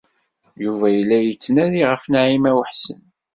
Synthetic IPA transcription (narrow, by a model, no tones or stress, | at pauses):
juvæjəlːæjət͡sːnæðiʁəfnaʕimæwəħsə̰n